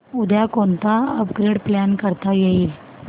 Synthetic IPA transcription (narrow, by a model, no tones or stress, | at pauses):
ud̪jakont̪aəp̚ɡɾeɽplankəɾt̪ajeiːl